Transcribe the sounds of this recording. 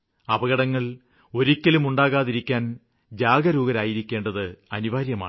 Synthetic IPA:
ɐbɐɣɐɽɐŋːɐɭ | o̞ɾikʲːɐlumuɳɖaːɣaːðiɾikʲːaːn | d͡ʑaːɡɐɾuːɡɐɾaːjiɾikʲːeːɳɖɐðɨɐniʋaːɾjɐma̰ːɳ

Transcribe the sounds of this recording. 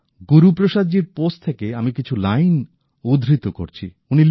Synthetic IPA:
ɡuɾupɾoʃad͡ʑiɾpost̚t̪ʰekeamikit͡ɕʰulajn | ud̪ʱɾit̪oko̰ɾt͡ɕʰḭ | unil

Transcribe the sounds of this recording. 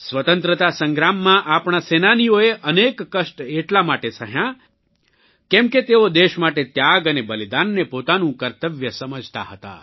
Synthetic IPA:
sʋət̪ə̃nt̪ɾət̪asə̃ŋɡɾamːãʔapɳasenanijoeʔənekːəʃʈeʈlamaʈesʰəɦjã | kɛmket̪eod̪eʃmaʈet̪jaɡənebəlid̪anːepot̪anũkəɾt̪əʋjəsəməd͡ʒʱt̪a̰ɦət̪a̰

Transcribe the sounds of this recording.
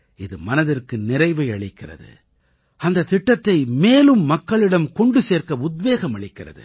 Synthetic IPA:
ɪðɯmɐnɐðɪrkɯnɪɾɐɪʋɐɪɐɭɪkːɪrɐ̰ðɯ̰ | ɐnd̪ɐt̪ɪʈːɐt̪ːɐɪmeːlɯmːɐkːɐɭɪɽɐmkɔɳɖɯseːrkɐʊd̪ʋeːɣɐmɐɭɪkːɪrɐ̰ðɯ̰

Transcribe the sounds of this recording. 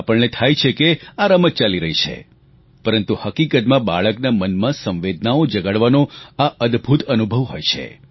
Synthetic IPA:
apəɭnet̪ʰajt͡ʃʰekeaɾamət̪̚t͡ʃaliɾəɦit͡ʃʰḛ | pəɾənt̪uhəkikət̪mãbaɭəknamənmãsə̃ʋʋed̪ʱnaod͡ʒəɡəɭʋanõaʔəd̪bʱut̪ənubʱəʋɦojt͡ʃʰḛ

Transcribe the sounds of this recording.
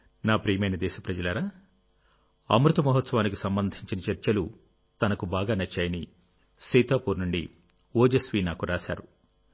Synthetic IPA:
naːpɾijmɐjnɐd̪ɛːʃɐpɾɐd͡ʒɐlɐɾaː | ɐ̰mɾut̪ɐmɐɦɐt̪sɐʋaːnikisɐmbɐnd̪ʱiɲt͡ʃinɐt͡ʃɐɾt͡ʃɐlu | t̪ɐnɐkubaːɡaːnɐt͡ʃːaːjɐni | sijt̪aːpuːɾnuɳɖi | oːd͡ʒɐsʋiːnaːkuɾaːʃa̰ːɾu

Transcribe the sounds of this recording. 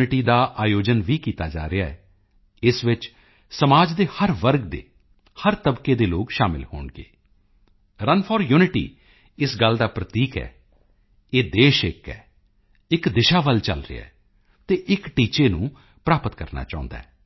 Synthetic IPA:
nɪʈiːd̪aːʔaːjoːd͡ʒənʋiːkiːt̪aːd͡ʒa̰ːɾɪaːɛː | ɪsʋɪt͡ʃ | səmaːd͡ʒd̪eːhəɾʋəɾɡd̪ḛː | həɾt̪əbkeːd̪eːloːɡʃaːmɪ̰lho̰ːɳɡḛː | ɾənpʰɔːɾjuːnɪʈḭː | ɪsɡəld̪aːpɾət̪iːkɛ̰ː | eːd̪eːʃɪkɛː | ɪkd̪ɪʃaːʋəlt͡ʃə̰lɾɪ̰ɛ̰ː | t̪eːʔɪkʈiːt͡ʃeːnũː | pɾaːpət̪kəɾna̰ːt͡ʃaːʊ̰̃nd̪a̰ːɛː

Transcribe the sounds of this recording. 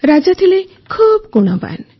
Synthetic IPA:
ɾad͡ʒɔt̪ʰile | kʰubɡuɽ̃ɔba̰n

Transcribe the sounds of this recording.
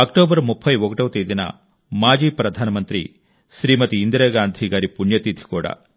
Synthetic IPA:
ɐk̚ʈoːbɐɾmupʰːɐjʋokɐʈɐʋt̪ejd̪inɐ̰ | maːd͡ʒiːpɾɐd̪ʱaːnɐmɐnt̪ɾḭ | ʃɾiːmɐt̪iːnd̪ɾɐɡaːnd̪ʱiɡaːɾipuɳjɐt̪it̪ʰi̥kɔːɽɐ̰

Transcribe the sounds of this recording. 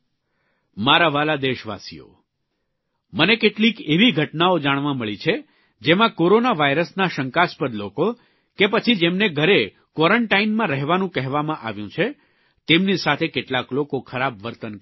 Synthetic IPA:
maɾaʋalad̪eʃʋa̰sḭjo̰ | mənekeʈlikeʋiɡʱəʈnaod͡ʒaɽ̃ʋãməɭit͡ʃʰe | d͡ʒemãkoɾonaʋaiɾəsnaʃəŋkaspəd̪loko | kepət͡ʃʰid͡ʒemneɡʱəɾe | kʋɔɾəɳʈainmãɾəɦʋanũkɛɦʋamãʔa̰ʋjũt͡ʃʰe | t̪emnisat̪ʰekeʈlaklokokʰəɾabʋəɾt̪ən

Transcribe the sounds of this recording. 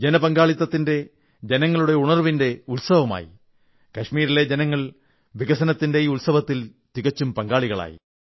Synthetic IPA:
d͡ʑenɐpɐŋɡaːɭit̪ːɐt̪ːinde̞ | d͡ʑe̞nɐŋːɐɭuɽeuɳɐrʋinde̞ulsɐʋɐma̰ːjḭ | kɐʂmiːɾile̞d͡ʑe̞nɐŋːɐɭ | ʋiɣɐsɐnɐt̪ːinde̞iulsɐʋɐt̪ːilt̪iɣɐt͡ɕːumpɐŋɡaːɭiɣɐɭa̰ːjḭ

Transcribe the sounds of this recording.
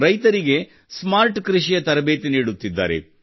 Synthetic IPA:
ɾɐjt̪ɐɾiɡe̞ | smaːɾʈkɾiʃijɐt̪ɐɾɐbeːt̪eniːɽut̪ːid̪ːa̰ːɾe̞̰

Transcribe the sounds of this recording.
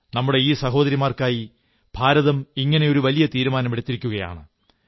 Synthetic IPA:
nɐmːuɽe̞iːsɐɦo̞ːðɐɾimaːrkaːji | b̥ʱaːɾɐðɐmiŋːɐne̞o̞ɾuʋɐlijɐt̪iːɾumaːnɐmeɽut̪ːiɾikʲːuɣɐja̰ːɳɨ

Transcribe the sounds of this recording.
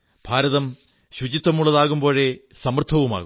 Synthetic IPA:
b̥ʱaːɾɐðɐm | ɕud͡ʑit̪ːɐmuɭːɐðaːɣumbo̞ːɻe̞sɐmɐrt̪ʰɐʋuma̰ːɣu

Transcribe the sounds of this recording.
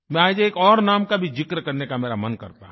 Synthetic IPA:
mɛ̃aːd͡ʒeːkɔːɾnaːmkabʱid͡ʒɪkɾkɐɾnekameːɾamɐnkɐ̰ɾt̪aɦ

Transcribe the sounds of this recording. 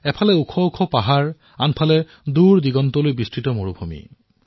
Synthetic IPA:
ɛpʰalɛukʰɔukʰɔpaɦaɹ | anpʰalɛ | duɹdiɡɔntɔlojbistɹitɔmoɹubʱumḭ

